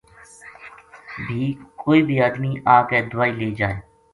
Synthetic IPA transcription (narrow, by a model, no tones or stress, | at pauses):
bʱiːkoːiːbʱiːaːd̪miːʔaːkeːd̪ʊʋaːiːleːd͡ʒaːeː